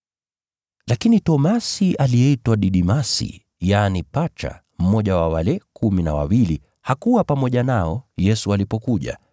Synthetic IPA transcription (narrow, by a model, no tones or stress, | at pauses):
lakinitɔmasiʔalijɛitwaɗiɗimasḭ | jaːnipat͡ʃa̰ | m̩mɔʄawawalɛkuminawa̰wili | hakuwapamɔʄanaɔjɛsualipɔkuʄa̰